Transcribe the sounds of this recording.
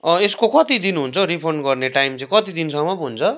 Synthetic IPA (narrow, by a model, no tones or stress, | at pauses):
ʌeskokʌt̪id̪inɦunt͡sʰʌɾipʰoɳɖɡʌrneʈajmt͡saĩkʌt̪id̪insʌŋʌbɦunt͡sʰʌ